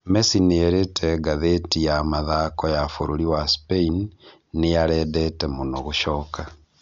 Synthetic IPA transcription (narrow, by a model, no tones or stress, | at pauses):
mesineeɾetʰɛɡaðetijamaðakɔjafoɾoɾiwaspeinː | ejaɾɛdɛtɛmonɔɣuʃɔːka